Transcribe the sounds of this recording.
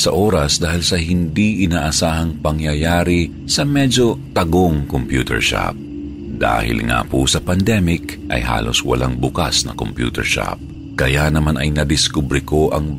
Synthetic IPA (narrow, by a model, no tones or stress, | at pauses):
sɐʔoːɾɐsd̪aːhɪlsɐhɪnd̪iʔɪnaːʔɐsaːhɐŋpɐŋjɐjaːɾi | sɐmɛd͡ʒo̞t̪ɐɡoŋkompjṵːt̪ɛ̰ɹʃa̰p̚ | d̪a̰ːhɪ̰lŋa̰pʊsɐpɐnd̪ɛmɪkʔɐ̰jɦa̰ːlo̰swɐ̰lʔaŋbʊka̰snɐ̰kompjṵːt̪ɛ̰ɹʃa̰p̚ | kɐjanɐmanʔɐjnɐd̪ɪskubɾɪko̞ʔɐŋ